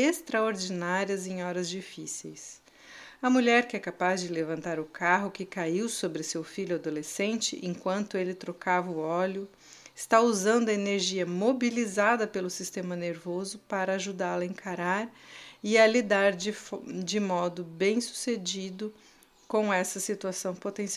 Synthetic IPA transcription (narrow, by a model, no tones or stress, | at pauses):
est̪ɾɐoɾd͡ʒinaɾiɐzẽj̃ɔɾɐzd͡ʒifisḛjs | ɐmuʎɛɾkɪɛkapazd͡ʒɪlevɐ̃nt̪aɾʊkaɦʊkɪkaiwsobɾɪsewfiʎʊad̪olesẽnt͡ʃɪ̰ʔḛ̃kwɐ̃nt̪ʊelɪt̪ɾokavɐʊɔlʊ | ɪst̪auzɐ̃nd̪ʊɐeneɾʒiɐmobilizad̪ɐpelʊsist̪ẽmɐneɾvozʊpaɾɐːʒud̪alɐẽkʰaɾaɾɪɐlid̪aɾd͡ʒɪd͡ʒɪmɔd̪ʊbẽj̃su̥sed͡ʒid̪ʊ | kõw̃ɛsɐsit̪uasɐ̃w̃pot̪ẽs